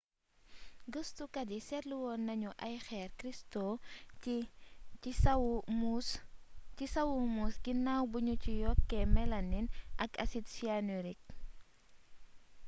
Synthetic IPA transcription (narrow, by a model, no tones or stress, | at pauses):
ɡəstukɐdisɛtluwɔnːɐɲuʔɐjxɛːrkɾisto | isɐwumusɡinːawbuɲucijɔkːɛmɛlɐnːinʔɐkɐsitsianuɾik̚